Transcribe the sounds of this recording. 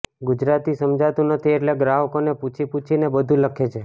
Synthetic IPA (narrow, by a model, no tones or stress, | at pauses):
ɡud͡ʒɾat̪isəmd͡ʒat̪ũnət̪ʰieʈleɡɾaɦəkoneput͡ʃʰiput͡ʃʰinebəd̪ʱũləkʰet͡ʃʰe